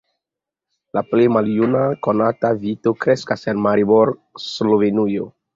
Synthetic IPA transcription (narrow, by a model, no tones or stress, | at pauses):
laplejmaljunako̞natavito̞kɾe̞skasenmaɾiboɾslovenujo